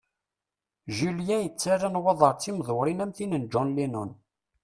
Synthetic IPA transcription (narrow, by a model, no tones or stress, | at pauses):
ʒiljæjət͡sːaɾːanwɑðˤəɾˤt͡sːimðˤwɾinæmθinənd͡ʒɔnlinun